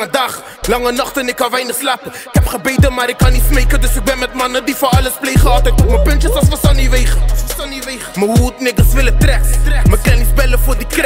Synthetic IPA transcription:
adaχ | lˠaŋənɔχtənɪkavaɪnəχslapə | kɛpχabeɪdəmaɾɪkʰːanismeɪkədʊsɪk̚bɛnmɪtmanədifaalˠəsfleɪχəɔtatʊməpɪnt͡ʃəsasfasɔniveɪχssɔniveɪχməhuːtnɪɡəsvɪlˠətɾɛkɾɛməklɛnɪsbɛləfʊdɪkɾ

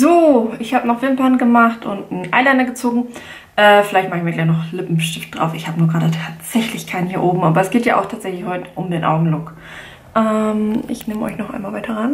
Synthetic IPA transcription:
zoːɪçhaːbənɔχv̥ɪnpanɡəmaχtʔʊntn̩ʔaɪlaɪndɐɡət͡soːɡŋ̩ | ʔɛːfɪlaɪçtmaːχɪçmiːɐɡlaɪçnɔχlɪpm̩ʃtɪft̚d̥ʁa̰ʊfɪçhaːbənuɐɡʁaːdətʰaːtz̥ɛçlɪçkʰaɪnhiːɐʔoːbm̩ʔaːbɐɛsɡ̥eːtja̰ːʔa̰ʊxtʰaːtz̥ɛçlɪçhɔʏtə̥ʔʊmdeːnʔa̰ʊɡŋ̩lɔk | ʔɛmɪ̰çnɪːməʔɔ̰ʏçnɔχʔa̰ɪnmaːlvaɪtʰɐʁan

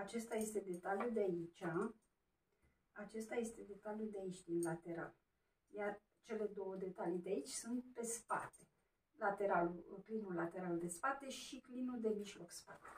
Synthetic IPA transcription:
at͡ʃe̞st̪aje̞st̪e̞d̪e̞t̪aljud̪eait͡ʃʲa | at͡ʃe̞st̪aje̞st̪e̞d̪e̞t̪aljud̪eait͡ʃʲd̪inlat̪e̞ɾa̰l | jar | t͡ʃe̞le̞d̪o̞wəd̪e̞t̪alijd̪eait͡ʃʲsunt̪̚pe̞spa̰t̪e̞̥ | lat̪e̞ɾaluklinulat̪e̞ɾalud̪e̞spat̪e̞ʃiklinud̪e̞miʒlo̞kspat̪e̥

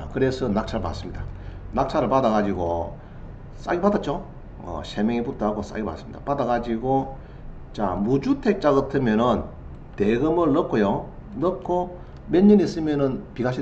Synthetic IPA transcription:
kɯɾesʰʌnak̚t͡ɕʰaɾɯɭpa̰s͈ɯmɲidanak̚t͡ɕʰaɾɯɭpadaɣad͡ʑiɡo | s͈a̰ɡipadat̚t͡ɕ͈o | ʌ̰ɕʰemeŋiputʰoaɡos͈a̰ɡipa̰s͈ɯmɲid̪a̰padaɡad͡ʑiɡo | t͡ɕa̰mud͡ʑutʰek̚t͡ɕ͈aɡɯtʰɯmjʌnɯn | teɡɯmɯɭnʌkʰojo | nʌkʰːo | meɲːɯnis͈ɯmjʌnɯnpiɡaɕʰi

